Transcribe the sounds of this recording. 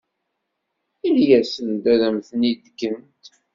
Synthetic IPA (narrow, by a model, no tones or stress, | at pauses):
iljæsənd̪æðæmθənid̪ɡənt̪